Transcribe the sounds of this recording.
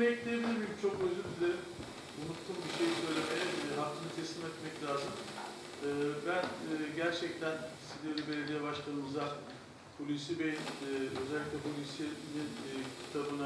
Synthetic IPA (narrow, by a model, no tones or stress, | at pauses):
mecʲlʲijebilʲiɾmijimt͡ʃʰo̞køzylʲd̪ilʲeɾim | unut̪ʰːuːmbiʃe̞jisø̞jlʲe̞mejɛɦaft̪ʰɯnɯt̪ʰɛsʲimʲɛt̪mɛclʲaːzɯm | ɯːbænːɟæɾt͡ʃʰɛc̚t̪ʰæn | sizd̪ieɾibe̞lʲe̞d̪ijɛbaʃlˠanɯmɯza | pʰolʲisibejinø̞zɛlʲːicʲlʲɛpʰolʲisinincʰi̥t̪ʰabɯna